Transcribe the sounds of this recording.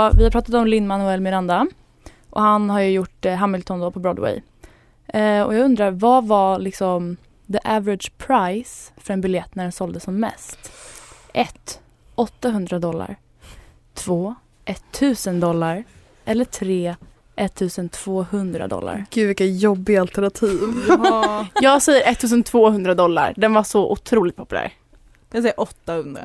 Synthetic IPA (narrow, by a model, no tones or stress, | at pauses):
vɪhapʰɾɑːt̪at̪ɔmlɪnːmanʊɛlmɪɾand̪a | ʔɔ̰hanhaɾjɵjʊʈːɦamːɪlt̪ʰɔnd̪ɔpʰɔbɾɔd̪wɛ̰j | ɔ̰jaːɡɵnd̪ɾaɾvavalɪksɔm | d̪əʔævəɾɪd̪d͡ʒpʰɾajsfœɾɛnbɪljɛt̪ːnæɖɛnsɔld̪əsɔmːɛ̰st̪ʔɛt̪ | ʔɔt̪ːaɦɵnd̪ɾad̪ɔlːa̰ɾ | t̪ʰvoː | ʔɛt̪ʰːʉ̟ːsənd̪ɔlːaɾ | ʔɛlːəʈʰɾeː | ʔɛt̪ʰːʉ̟ːsənt̪ʰv̥oːhɵnd̪ɾa̰d̪ɔ̰lːa̰ɾɡ̥ʉ̟ːvɪkːajɔbːɪɡaalt̪ɛɳat̪ʰiːv | jɑːɡsɛjːəɾʔɛt̪ʰːʉ̟ːsənt̪ʰvoːhɵnd̪ɾad̪ɔlːa̰ɾɖ̪ɛnvaʂɔʔʊt̪ʰɾuːlɪt̪̚pʰʊ̥pɵlæ̰ːɾ | asɛjːaʔɔt̪ːahɵnd̪ɾa̰